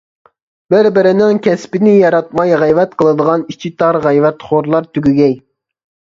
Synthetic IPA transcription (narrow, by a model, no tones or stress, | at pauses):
b̥ɪɾbɪɾɪnɪŋkʲɛspɪnɪjɑɾɑt̪̚mɑjʁæjvɛt̪qʰəlˠɨd̪əʁɑnit͡ʃʰit̪ʰɑɾʁæjvɛt̪χoɾlˠɑɾt̪ʰyɡʲyɡʲɛj